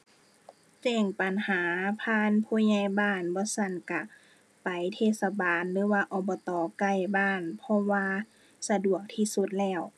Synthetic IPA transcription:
t͡ɕɛː˧˩ŋpa˨nhaː˨˦pʰaː˧˥˨npʰuː˧˥˨ɲa˧˩jbaː˧˩˨nbɔː˧˦sa˧˥˩nka˧˩ | pa˨jt̪ʰeː˧˨t̪̚sa˧baː˨nlɯː˨˦waː˧ʔɔː˨˩bɔː˧˦t̪ɔː˨˦ka˧˩jbaː˧˥˩npʰɔ˧˥waː˧ | sa˧du˨˩ək̚t̪ʰiː˧˩su˧t̪̚lɛː˧˩w

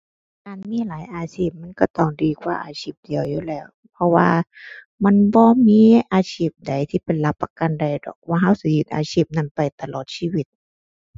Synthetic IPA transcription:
kaː˨nmiː˧˥˨laː˨˦jʔaː˨˧siː˧˩p̚ma˧˥˨nkɔ˧˩t̪ɔ˧˩ŋdiː˨˩kʰwaː˧˩ʔa̰ː˨sʰiː˧˩p̚di˨əwjuː˧˨lɛː˧˩w | pʰɔ˧waː˧ | ma˧˥˨nbɔː˧˦miː˧˥˨ʔaː˧sʰiː˧˩p̚da˨˩jt̪ʰiː˧˩pe˨nla˧˥pːa˧ka˧˨nda˨˩jdɔ̰ː˨˩k̚waː˧ɦa˧˥˨wsi˧˦jɯ˧t̪̚ʔa̰ː˨sʰiː˧˩p̚na˧˥˨npa˨˩jt̪a˧˨lɔː˨˩t̪̚siː˧˨wi˧t̪̚

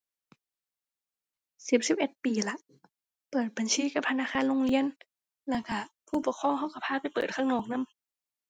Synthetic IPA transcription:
si˨˧˩p̚si˨˦p̚ʔe˨˩t̪̚piː˨˩la˧˥ʔ | pɤː˨˩t̪̚ba˨˩nsʰiː˧˥˨ka˧˩p̚tʰa˧naː˧˥˨xʰaː˧˥˨nlo˧˨ŋli˧˥ən | lɛː˧˩ka˧˩pʰuː˧˩pu˨˩˦kʰɔː˧˥˨ŋɦa˧˩wka˧˩pʰaː˧˥˩pa˨jpɤː˨˩t̪̚ʰaː˧˥˩ŋnɔː˧˩k̚na˧˥˨m

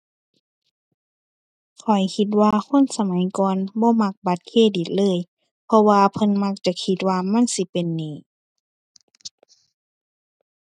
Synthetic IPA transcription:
kʰɔ˨˩jkʰi˧t̪̚waː˧kʰo˧˥˨nsa˧ma˨˦jkɔː˨nbɔː˧˦ma˧k̚ba˧˦t̪̚kʰeː˧˨di˨˩t̪̚lɤː˧˥˨j | pʰɔ˧waː˧pʰɤ˧˥˨nma˧˥k̚t͡ɕa˧˦kʰi˧˦t̪̚waː˧ma˧˥˨nsi˧˦pe˨nːiː˧˩

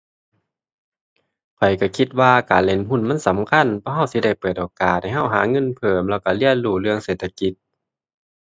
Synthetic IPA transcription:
kʰɔ˨˩jka˧˩kʰi˧t̪̚waː˧kaː˨nle˧˩˨nɦu˧˥˨nma˧˥˨nsa˨˦mkʰa˧˥˨npʰɔː˧˥˨ɦa˧˥˩wsi˧˦da˧˩jpɤː˨˩t̪ʔoː˨kaː˨˩t̪̚ha˧˨˩jɦa˧˥˩wɦaː˨˦ŋɤ˧˥˨npʰɤː˨˩mlɛː˧˩wka˧˩li˧˩ənluː˧˩lɯ˧əŋseː˨˩t̪ʰa˧ki˧˦t̪̚

